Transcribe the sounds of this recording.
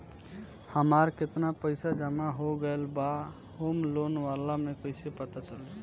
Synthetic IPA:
həmaːɾkɪt̪napəɪsad͡ʒəmaɦoɡəelba | hoːmloːnʋalamẽkoɪsepət̪at͡ʃəle

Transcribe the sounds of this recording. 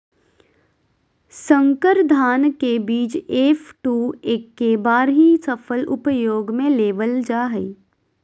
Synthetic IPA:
sə̃ŋkəɾd̪ʱaːnkebiːt͡ʃeːfʈuːeːkːebaːɾɦisəfʰəlʔʊpjoːɡmẽleːʋəld͡ʒaːɦəi

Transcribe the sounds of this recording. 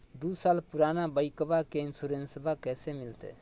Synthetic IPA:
d̪uːsaːlpʊɾaːnaːbəikəbakeɪnsuːɾẽːnsəbʱaːkɛːsemɪlt̪ḛː

